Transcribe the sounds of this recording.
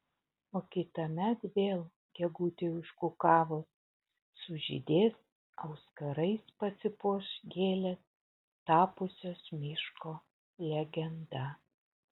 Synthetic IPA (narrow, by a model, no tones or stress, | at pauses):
oːkʲɪt̪ɐmʲɛt̪ʋʲeːlˠ | ɡ̥ʲɛɡuːt̪ʲɪʋʲʊʃkukɑːʋoːs | sʊʒʲɪ̰d̪ʲeːs | ɐʊskɐɾɐɪspɐsʲɪpuʃɡʲeːlʲɛt̪ | t̪ɑːpʊsʲoːsmʲɪʃkoː | lʲɛɡʲɛnd̪ɐ